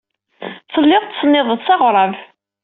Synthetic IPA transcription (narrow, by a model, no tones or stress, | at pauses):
səlːɪðˤt̪ːsnːɪðˤəðˤsɑʁɾˤəv